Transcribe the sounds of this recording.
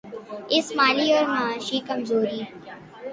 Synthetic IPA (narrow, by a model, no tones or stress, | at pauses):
ɪsmaːliːɔɾmãːʃiːkəmzoːɾiː